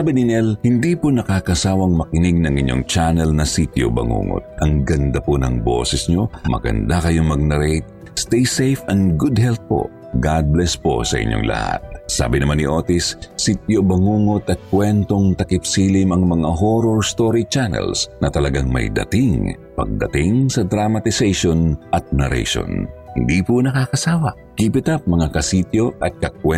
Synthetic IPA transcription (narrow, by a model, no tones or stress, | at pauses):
abɪnɪnɛlhɪnd̪iponɐkaːkɐsaːwɐŋmɐkɪniɡ̚nɐŋɪ̰ɲːo̰ŋt͡ʃanɛlnɐsit̪jo̰bɐ̰ŋṵːŋo̰t̪̚ʔɐŋɡɐnd̪aponɐŋbo̰sɛsɲo̞mɐ̰ɡɐ̰nd̪akɐjo̞ŋmɐɡ̚nɐɾejt̪̚ | st̪ɛjsejfɐnɡʊd̪̚hɛlt̪̚po̞̰ | ɡad̪̚blɛspo̰sɐ̰ʔɪ̰ɲːo̰ŋlʔɐ̰ha̰t̪̚sa̰ːbɪnɐmanːiʔo̞ːt̪isːit̪jobɐŋuːŋo̞t̪ɐt̪̚kwɛnt̪o̞ŋt̪ɐkɪp̚siːlɪmɐŋmɐŋaɦoɾoɹst̪oɾit͡ʃanɛ̰lsnɐt̪ɐlɐɡaŋmɐ̰jd̪ɐ̰t̪ɪŋ | pɐɡ̚d̪ɐt̪ɪŋsɐd̪ɾamɐt̪ɪsɛjʃonʔɐt̪̚nɛɾɛ̰jʃo̰nhɪnd̪ipunɐkaːkɐsaːwɐ | kipɪt̪ap̚mɐŋakɐsit̪jo̞ʔɐt̪̚kɐkwɛ